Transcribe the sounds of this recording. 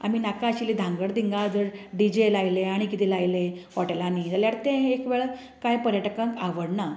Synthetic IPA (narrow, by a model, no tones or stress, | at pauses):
a̰miːnakaəɕilid̪ʱãŋɡəɽd̪iŋɡãd͡zəɾɖid͡ʑelajleaɽ̃ikit̪ilajlehɔʈelanid͡zəljaɽt̪ẽɦekʋeɭ | kajpəɾjəʈəkə̃ŋkaʋəɽna